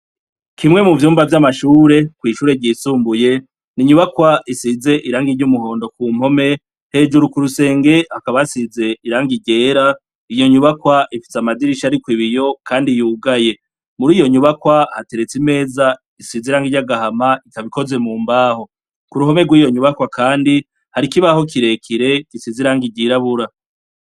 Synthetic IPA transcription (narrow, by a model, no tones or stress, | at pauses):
kʰimŋe̞muvjuːmbavjamaʃuːɾe̞kwiːʃuːɾe̞ɾɟiːsuːmbuje̞ | niɲuβakwaisize̞ʔiɾaːŋɡiɾɟumuho̞ːndo̞kuːm̥ho̞me̞ | he̞d͡ʒuɾukuɾuse̞ːŋɡe̞akaβaasize̞iɾaːŋɡiɟe̞ːɾa | ijo̞ɲuβakwaʔifi̥samadiɾiʃaɾikwiβijo̞kʰaːndijuːɡaje̞ | muɾiːjo̞ɲuβakwahate̞ɾe̞t͡sime̞ːza | isiziɾaːŋɡiɟaɡahamaitaβiko̞ze̞muːmbaːɦo̞ | kuɾuɦo̞me̞ɡwiːjo̞ɲuβakwakʰaːndi | haɾikiβaho̞kiɾe̞kʰiɾe̞kisizeiɾaːŋɡiɟiɾaβuɾa